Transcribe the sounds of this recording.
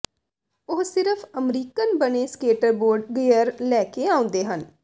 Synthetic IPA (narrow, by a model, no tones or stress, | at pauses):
ʊɦsɪɾəpʰəmɾiːkənbəneːskeːʈəɾboːɾɖɡijəɾlɛːkeaːʊ̃nd̪eːɦən